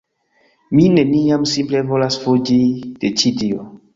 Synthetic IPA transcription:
mineniamsimple̞volasfod͡ʒid̥et͡ʃidio̰

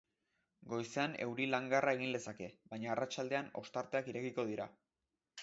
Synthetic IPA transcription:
ɡo̞jseane̞wɾilaŋɡarae̞ɣind̪e̞sake̞βajɲaːrat͡ʃald̪e̞ano̞̰st̪aɾt̪e̞akiɾe̞kiko̞ð̞iɾa̰

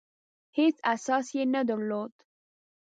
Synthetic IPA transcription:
het͡sasɑsjenad̪əɾlod̪̥

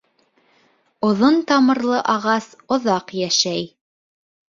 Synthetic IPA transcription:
ŏðont̪ɑmɤ̆ɾlˠɤʔɑʁɑsŏðɑqjæʃæj

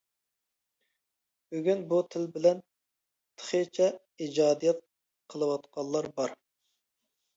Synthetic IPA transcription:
byɡʲynbut̪ʰɪlbɪlɛn | t̪ʰə̥χet͡ʃʰɛ | id͡ʒɑːd̪ijɛt̪̚ | qʰəlˠɨwɑt̪qɑllˠːɑɾbɑɾ

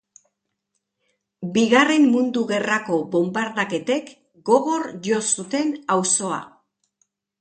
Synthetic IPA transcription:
biɣare̞mːund̪uɣe̞rako̞bo̞mbaɾðake̞t̪e̞k | ɡo̞ɣo̞ɾʝo̞sut̪e̞nawso̞a̰

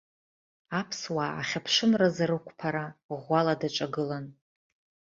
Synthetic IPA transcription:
apʰswa̰ːχʲapʰʂɨmrazaɾɨkʷʰʼpʰaɾaʁʷaladaʈ͡ʂʼaɡɨlan

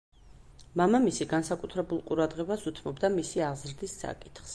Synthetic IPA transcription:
mamamisiɡansakʼut̪ʰɾɛbulˠqʼuɾad̪ʁɛbasut̪ʰmɔbd̪amisiaʁzɾd̪isːa̰kʼi̥t̪ʰχs

